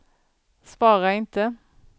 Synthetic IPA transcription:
sʋɑːʁəæɪɪnt̪ə

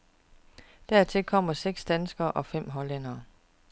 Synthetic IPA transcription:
d̥æɐ̰t͡sʰe̝lkʰɒ̽m̰ɐseɡ̥sd̥ænsɡ̥ɐːʔɒ̽fem̰ɦɒ̽len̰ɐː

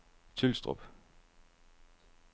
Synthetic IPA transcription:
t͡sʰelsd̥ʁɔ̰b̥

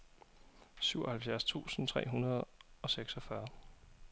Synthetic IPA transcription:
syʊɒhælfjæɐst͡sʰṵːsn̩t͡sʰʁɛ̰ːɦunɐð̞̩ˠɒ̽seɡ̥sɒ̽fɶɐ

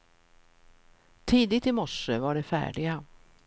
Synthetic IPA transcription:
t̪ʰiːd̪ɪt̪ɪmɔʂəvaɖɛfæ̰ːɖɪɡa

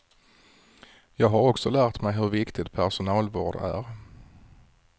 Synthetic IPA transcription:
jɑːɡɦaɾɔksɔlæːɾt̪mɛjɦɵɾvɪkt̪ɪt̪̚pʰæʂʊnɑːlvɑːɖæ̰ɾ

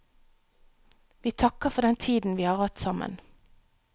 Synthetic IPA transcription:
ʋiːt̪ʰɑkəfɔd̪ɛnt̪ʰiːd̪n̩ʋiːhɑːʁhɑt̪sɑmə̰n

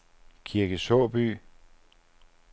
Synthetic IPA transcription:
kʰiɐɡ̥əsɔːb̥y̰ː

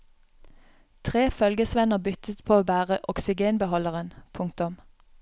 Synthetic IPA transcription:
t̪ʰʁeːfœlɡəsʋɛnəʁbʏt̪ət̪pʰoːoːbæːʁəʔɔksɪɡeːnbəhɔləʁənpʰʊŋkt̪ʊm

